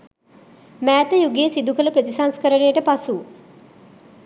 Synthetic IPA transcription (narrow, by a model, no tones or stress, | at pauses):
mæːt̪əjuɡejəsid̪ukələpɾət̪isanskəɾəɳejəʈəpasu